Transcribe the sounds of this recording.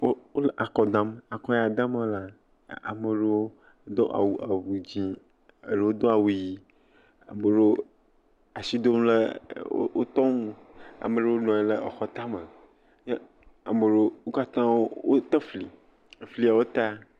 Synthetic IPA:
wo˦wo˦lʔa˨kɔ˨d̪ã˨m˦a˨kɔ˦ja˨d̪ã˦me˦la˨ | a̰˨mə˨ɖe˦wo˦ | d̪ɔ̰˦ʔa̰˨wu˨a˨vu˨d͡ʑĩ˦ | ə̰˨ɖe˦wo˦d̪ɔ˦a˨wu˨ji˨ | a̰˨mə˨ɖo˦ | a˨si˦d̪o˦m˦le˦o̰˦wo˦t̪ɔ˦m˦ | a̰˨mə˨ɖe˦wo˦nɔ̃˨e˨˦le˦ɔ˨xɔ˦t̪a˦mə˨ | je˦ | a˨mə˨ɖo˦wo˦ka˦t̪ã˦wo˦wo˦t̪ə˦fli˨ | fli˨˦a˨wo˦t̪a˦

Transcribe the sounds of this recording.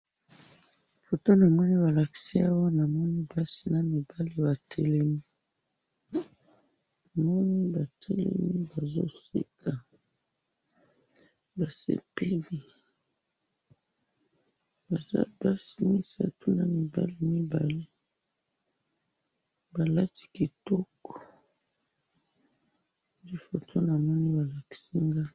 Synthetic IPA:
fo˨to˦na˨mɔ˦ni˦ba˨la˨ki̥˨si˦a˦wa˦na˨mɔ˦ni˦ba˦si˨na˨mi˨ba˦li˦ba˨tʰe˨le˦mi˦˨ | mɔ˦ni˦ba˨tʰe˨lḛ˦mi˦ba˨zo̰˦sḭ˦kʰa˨ | ba˨sḛ˨pe˦li˨ | ba˨za̰˦ba˦si˨mi˦sa̰˨tu˦na˨mi˨ba̰˨li˦mi˦ba˨le˦ | ba˨la˦ti̥˦˨ki˨tɔ˦kɔ̥˨ | di˦fo˨tʰo˦na˨mɔ˦ni˦ba˨la˨ki̥˨si˦ŋɡa˦

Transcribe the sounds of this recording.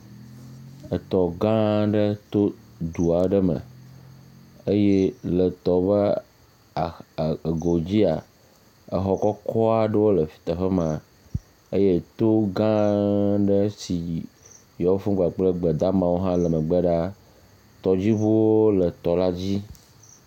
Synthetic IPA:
ə˨t̪ɔ˨ɡã˦ɖə˦t̪o˦d̪u˨a˨ɖə˦mə̰̃˨ | ə˦je˦lə˨t̪ɔ˨βə˦˨ | ɡo˨d͡ʑi˦a̰˨ | ə˨xɔ˨kɔ˦kʰɔ˦a˨ɖə˦wo˦lə˨fi̥˨t̪a˨ɸə˦mã˨ | ə˦je˦t̪o˦ɡã˦ɖə˦si˨ | jɔ˨wo˦fu˦ɡ͡ba˨k͡plə˦ɡ͡bə˨d̪a˦mã˨wo˦ɦã˦lə˨mə˨ɡ͡bə˦ɖa˦ | t̪ɔ˨d͡ʑi˦βu˦wo˦lə˨t̪ɔ˨la˦d͡ʑi˦

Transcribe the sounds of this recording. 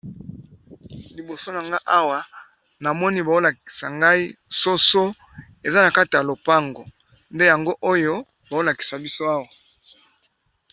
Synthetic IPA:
li˨bo˨so˦na˨ŋɡa˦ʔa˦wa˨ | na˨mɔ˦ni˦ba˨o˦la˨ki̥˨sa˨ŋɡa˦i˦so˦so˦ | e˨za˦na˨ka˦ti˨ja˨lo˨pa˦ŋɡo˨ | nde˦ja˨ŋɡo˦ʔo˦jo˦ | ba˨zo˦la˨ki̥˨sa˨bi˦so˦a˦wa˨

